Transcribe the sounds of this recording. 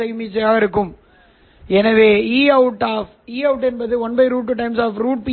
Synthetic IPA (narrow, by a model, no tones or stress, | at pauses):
ɐɪmiːt͡ʃːɐjaːɣɐɪɾɯkːɯm | ɛnɐʋeːiːɐʊʈːaːf | iːɐʊʈːɛnbɐðɯɔnbɐɪɾuːʈːɯʈːɐɪmsaːfɾuːʈ̚pi